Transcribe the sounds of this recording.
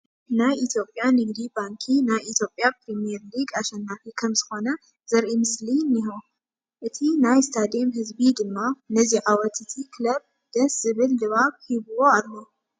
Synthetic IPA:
najʔit̪ʰjo̞pʼːjanɨɡd̪ibaŋkʰinajit̪ʰjo̞pʼːjapɾimieɾliɡaʃɛnːafikʰɐmzɨxo̞nɐ | z̥ɐɾʔimɨslinːiɦo | ʔɨt̪ʰinajst̪ʰad̪emhɨzbid̪ɨmːanɐziʕawɔt̪ɨt̪ʰikʰlɐb̚ | d̪̥ɐsz̥ɨβɨlːɨβaβhiβɨwo̞alːo

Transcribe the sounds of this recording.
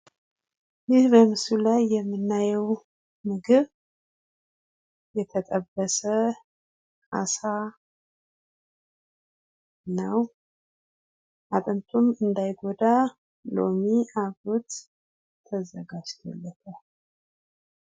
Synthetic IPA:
jɪhbəmɨsulajːɛmːɨnːajɛw | mɨɡɨβ | jɛt̪ʰət̪ʼəbːəsə | asa | nəw | ʔat̪ʼənt̪ʰumɨnd̪ajɡod̪a | lo̰miʔaɡot̪ | t̪ʰːəzəɡad͡ʒt̪ʰo̰lːət̪ʰə

